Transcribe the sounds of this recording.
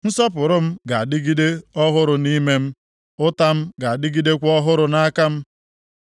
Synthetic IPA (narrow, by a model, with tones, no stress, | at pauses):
n̩˦sɔ˦pʊ˨ɾʊ˦m̩˦ɡa˨a˨dɪ˦ɡi˦de˦ɔ˦ɦʊ˦ɾʊ˨ni˦me˦m̩˦ | ʊ˦ta˦m̩˦ɡa˨a˨dɪ˦ɡi˦de˦kʷɔ˦ɦʊ˦ɾʊ˨na˦ka˦m̩˦